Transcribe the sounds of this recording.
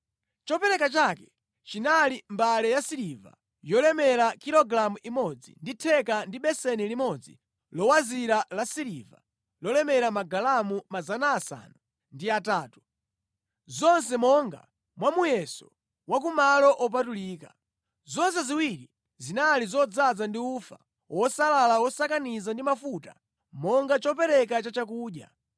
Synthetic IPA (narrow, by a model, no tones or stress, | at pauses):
t͡ʃɔpɛɾɛkat͡ʃakɛ̥ | t͡ʃinalimbalɛjasiɾiva̰ | jɔlɛmɛɾakiɾɔɡɾamuʔimɔd͡zḭnditʰɛkandiɓɛsɛnilimɔd͡zḭ | lɔwaziɾalasiɾiva̰ | lɔlɛmɛɾamaɡalamumazanaːsa̰nu | ndiataːtu̥ | zɔnsɛmɔŋɡa̰ | mwamujɛsɔ | wak̬umalɔʔɔp̬atuliːka | zɔns̬ɛziwiɾi | zinalizɔd͡zad͡zandiufa̰ | wɔsalalawɔsakanizandimafuta̰ | mɔŋɡat͡ʃɔpɛɾɛk̬at͡ʃat͡ʃak̬uːɗja̰